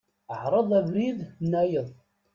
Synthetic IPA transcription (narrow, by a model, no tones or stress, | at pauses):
əʕɾˤəðˤævɾiðnːæjəðˤ